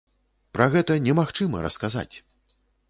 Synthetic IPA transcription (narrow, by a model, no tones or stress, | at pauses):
pɾɐɣɛt̪ɐnʲɛmaxt͡ʂɨmɐ̰ɾɐ̰skaza̰t͡sʲ